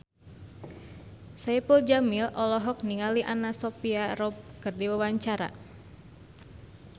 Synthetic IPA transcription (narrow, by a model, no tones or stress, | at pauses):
sajpuld͡ʒamilʔɔlɔɦɔk̚niŋaliʔanasɔpiaɾɔp̚kɨrdiwawaɲt͡ʃaɾa̰